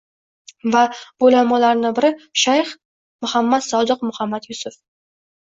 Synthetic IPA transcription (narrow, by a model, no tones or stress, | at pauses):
vabolamalaɾnɪbɪɾɪʃajχ | mʊhamːat̪sɒd̪ɨqmʊhamːat̪jʊsʊf